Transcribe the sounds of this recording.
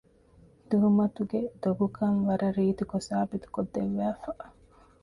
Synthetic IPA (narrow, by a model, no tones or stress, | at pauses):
d̪̥uɦumɐt̪uɡed̪̥oɡukɐŋʋɐɾɐɾiːt̪ukosaːbit̪u̥kod̪ːeʋːæːfɐ